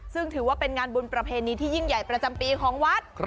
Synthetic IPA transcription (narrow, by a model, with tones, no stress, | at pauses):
sɯ˥˩ŋt̪ʰɯː˩˦waː˥˩pe˧nŋaː˧nbu˧npɾa˧pʰeː˧niː˧t̪ʰiː˥˩ji˥˩ŋja˨˩jpɾa˧t͡ɕa˧mpiː˧kʰɔː˩˦ŋwa˦˥t̪̚ʰ